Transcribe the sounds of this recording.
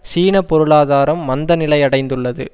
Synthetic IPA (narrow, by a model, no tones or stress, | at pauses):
siːɳɐpːɔɾɯɭaːðaːɾɐmːɐnd̪ɐnɪlɐɪɐɽɐɪnd̪ɯɭːɐðɯ̰